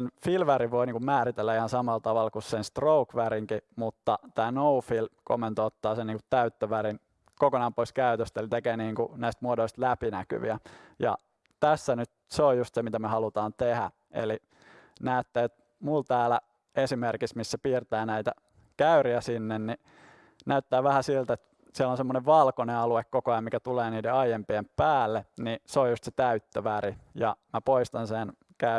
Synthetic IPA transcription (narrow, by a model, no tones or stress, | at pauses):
nfilʋæɾiʋʋoiniːŋkumæːɾit̪elːæihɑnsɑmɑlt̪ɑʋɑlkussenst̪roukʋæɾiŋkimut̪ːɑt̪æːnoufilko̰mːent̪oot̪ːɑːseniːŋku̥t̪t̪ːæyt̪ːøʋæɾin | kokonɑmpoiskæyt̪øst̪elit̪ekeːniːŋkunæist̪muodoist̪læpinæky̰ʋḭæjɑ̰ | t̪æsːænyt̪̚seojust̪semit̪æmøhɑlut̪ɑːnt̪ehæ | ḛli | næːt̪ːæːet̪ | mult̪æːlæ | esimerkismissepiːrt̪æːnæit̪æ | kæyriæsinːenni | næyt̪ːæːʋæhæsilt̪et̪ | siælonsemːoneʋʋɑlkoneɑluekkokoɑjɑmikæt̪uleːniːdeɑijempiempæːlːeniseojust̪set̪æyt̪ːøʋæɾijɑ̰mæpoist̪ɑnsen | kæ